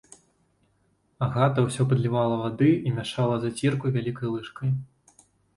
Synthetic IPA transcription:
aɣat̪ɐwsʲɔpɐd̪lʲivalˠɐvad̪ɨimʲaʂalˠɐzat͡sʲirkujvʲalʲikɐjlˠɨʂkɐj

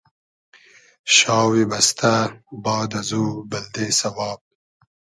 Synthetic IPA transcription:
ʃɑːwebɐst̪ʰabɑːd̪azuːbɐld̪eːsɐwɑːb̚

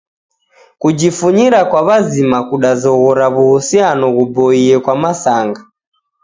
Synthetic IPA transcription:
kud͡ʒifuɲiɾakwaβazimakuɗazɔɣɔɾaβuhusianɔɣubɔiɛkwamasaŋɡa

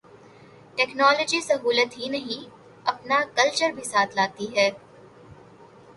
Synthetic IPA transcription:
ʈɛːknɔːlɔːd͡ʒisɐɦuːlət̪ɦinɐɦĩ | ɐpnakɐlt͡ʃəɾbʱisaːt̪ʰlaːt̪iɦɛː

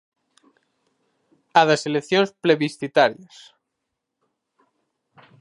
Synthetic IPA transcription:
aðaselekθjonspleβisθit̪aɾjas

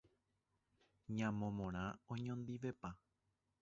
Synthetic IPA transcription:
ɲãmõmõɾ̃ãõɲõnd̪iʋe̞pa

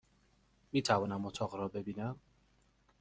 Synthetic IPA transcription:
miːt̪ʰævɒːnæmːot̪ʰɒːɣɾɒːbe̞biːnæm

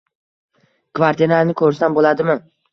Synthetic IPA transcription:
kʰvaɾt̪ʰienaɾnɪkʰɵɾɪsanbolad̪ɪmɪ

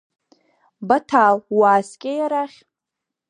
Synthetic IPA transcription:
batʰalwaːskʲʼejaɾaχʲ

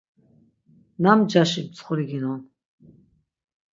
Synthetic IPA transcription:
namd͡ʒaʃibt͡sʰʼχuɾiɡinɔn

